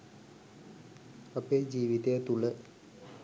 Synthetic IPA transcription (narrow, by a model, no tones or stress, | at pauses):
ɐpeːd͡ʑiːʋit̪ejat̪ulə